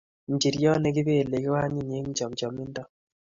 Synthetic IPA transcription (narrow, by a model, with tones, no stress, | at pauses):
ɲ˨d͡ʒi˨ɾjɔ˦nɛ˨˦ɡɪ˦βeː˦˨le˨ki˦wa˦ɲi˦˨n˨e˦ŋ˦d͡ʒɔ˨md͡ʒɔ˨mɪ˦ndɔ˦